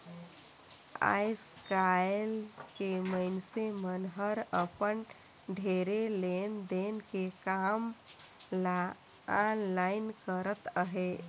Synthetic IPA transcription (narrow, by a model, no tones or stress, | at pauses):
a̰jskalkeməɪnsemənɦəɾəpən | ɖʱeɾelend̪enkekam | anlaɪnkəɾət̪əɦe